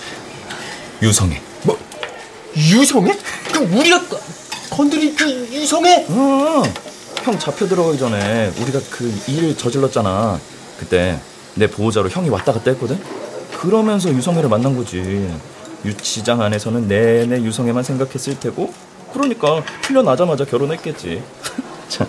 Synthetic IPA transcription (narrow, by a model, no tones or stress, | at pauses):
jusʰʌŋe̞̰ | mʌ | jusʰʌŋe̞kɯuɾiɡak | kʌndɯɾikɯjusʰʌŋe̞ʌ | çjʌŋt͡ɕapʰjʌdɯɾʌɡaɡid͡ʑʌne̞uɾiɡakɯiɾɯɭt͡ɕʌd͡ʑiɭːʌt̚t͡ɕ͈ana | kɯt͈e̞ | ne̞poːd͡ʑaɾoçjʌŋiwat͈aɡat͈eɦek͈ʌdɯɲkɯɾʌmjʌns̬ʰʌjusʰʌŋeɾɯɭmanːanɡʌd͡ʑi | jut͡ɕʰid͡ʑaŋane̞sʰʌnɯnːe̞ne̞jusʰʌŋe̞mansʰe̞ŋɡakʰe̞s͈ɯɭtʰe̞ɡo | kɯɾʌɲik͈aɸuʎːʌnad͡ʑamad͡ʑakjʌɾonɦet̚k͈e̞t̚t͡ɕ͈ḭ | t͡ɕʰa